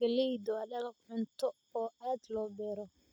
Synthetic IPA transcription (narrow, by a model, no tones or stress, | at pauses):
ɐlɛjd̪ɔɐdɐlɐʕʊnt̪ʰɔ | ɔːaːd̪lɔːbɛːɾɔ